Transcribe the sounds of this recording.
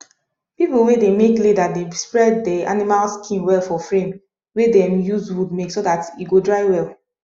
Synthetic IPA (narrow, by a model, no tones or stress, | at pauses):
pipl̩wedemekledatdespɹɛdːɛʔa̰nimalskʰĩnwɛlfɔfɹẽm | wedɛ̃mjuzwud̚meksodatiɡodɹaɪwɛlˠ